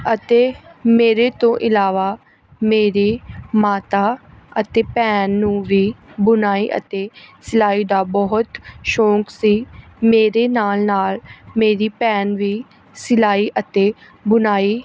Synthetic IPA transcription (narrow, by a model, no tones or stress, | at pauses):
ət̪eːmeːɾeːt̪õːʔɪlaːʋaː | meːɾeːmaːt̪aːət̪eːpɛːnːũːʋiːbʊnaːiʔə̰t̪eːsɪlaːid̪aːbɔɦʊt̪ʃõːksiːmeːɾeːnaːlnaːlmeːɾiːpɛːnʋiː | sɪlaːiʔət̪eː | bʊnaːiː